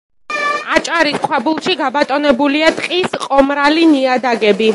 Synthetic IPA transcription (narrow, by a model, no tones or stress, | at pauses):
at͡ʃʼaɾiskʰwabulˠʃiɡabat̪ʼɔnɛbuliat̪ʼqʼisqʼɔmɾaliniad̪aɡɛbi